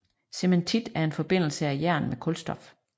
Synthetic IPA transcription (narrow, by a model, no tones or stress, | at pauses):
se̝ment͡sʰid̥æɐe̝nfɒ̽b̥e̝n̰l̩səæjæɐ̰nmekʰɔ̽lsd̥ɒ̽f